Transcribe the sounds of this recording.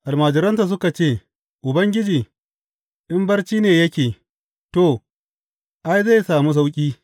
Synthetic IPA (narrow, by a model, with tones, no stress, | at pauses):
ʔa˨lmaː˨d͡ʒɪ˨ɾɐ˦ntaː˨s̬ʊ˦ka˨t͡ʃeː˦˨ | ʔʊ˨bɐ˦ŋɡʲɪ˦d͡ʒiː˨ | ʔɪ˦mbɐ˦rt͡ʃiː˦neː˨jɐ˦kʲeː˨ | to˨ | ʔa˦jza˦jsaː˨mu˦s̬a˦wkʲʼiː˦